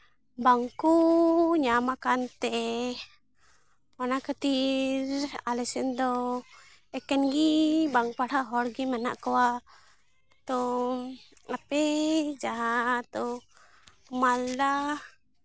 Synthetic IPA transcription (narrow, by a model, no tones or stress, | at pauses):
baŋkuɲamakant̪ɛ | manakət̪iɾalɛsɛnd̪ɔ | ɛkɛnɡibaŋpaɽaɦɔɾɡimana̰ʔkɔwa | t̪ɔ | apɛd͡ʒaɦat̪ɔ | kmalda